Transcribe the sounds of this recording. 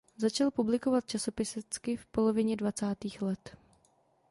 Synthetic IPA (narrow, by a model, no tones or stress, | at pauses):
zat͡ʃalpublɪko̞vat̪̚t͡ʃaso̞pɪsɛt͡skɪfpo̞lo̞vɪɲɛdvat͡saːt̪iːxlɛt̪